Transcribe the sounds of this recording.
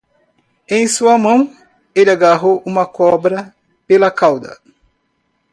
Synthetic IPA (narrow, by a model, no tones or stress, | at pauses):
ẽj̃suɐmɐ̃w̃ | elɪaɡaɦowũmɐkɔbɾɐ | pelɐkawd̪ɐ̰